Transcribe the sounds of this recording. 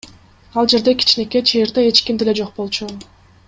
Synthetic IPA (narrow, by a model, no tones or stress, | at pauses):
ɑlˠd͡ʒe̞ɾd̪e̞kʰi̥t͡ʃne̞ke̞t͡ʃʰeːɾd̪ee̞t͡ʃkimd̪ele̞d͡ʒo̞q̚bo̞lˠt͡ʃʰu